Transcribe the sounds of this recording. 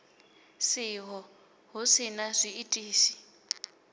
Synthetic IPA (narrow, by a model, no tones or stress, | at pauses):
siɦɔ | ɦusinazʷiːtʼiːsi̥